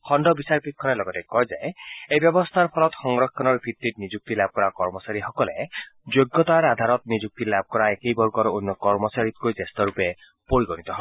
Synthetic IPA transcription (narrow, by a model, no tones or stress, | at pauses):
kʰɔɳɖɔbisaɾpikʰːɔɾelɔɡɔtekɔɦjd͡ʒaeejbjɔbɔst̪ʰaɾpʰɔlɔt̪xɔŋɾɔkʰːɔnɔɾbʰʱiɾt̪ːit̪nid͡ʒuk̚t̪ilab̚kɔɾakɔɾmɔsaɾixɔkɔled͡ʒoɡːɔt̪aɾad̪ʱaɾɔt̪nid͡ʒuk̚t̪ilab̚ʱkɔɾaekejbɔɾɡɔɾɔonːɔkɔɾmɔsaɾit̪̚kojtest̪ɔɾupe | poɾiɡɔnit̪ɔɦɔ